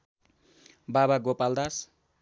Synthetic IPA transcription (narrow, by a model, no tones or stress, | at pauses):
babaɡopald̪as